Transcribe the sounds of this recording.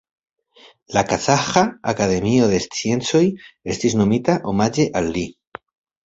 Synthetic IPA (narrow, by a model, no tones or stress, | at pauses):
lakasaxaːkaðe̞mioðe̞st͡sjent͡so̞je̞st̪iznomit̪aʔomad͡ʒeʔalːi